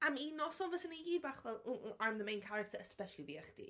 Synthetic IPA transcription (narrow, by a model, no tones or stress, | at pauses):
amiːnɔsɔnvəsəneiːbaːχvɛlˠʊaɹmðəmẽjnkʰaɾɪ̥tʰəəspɛʃəlˠiviaχd̥ḭ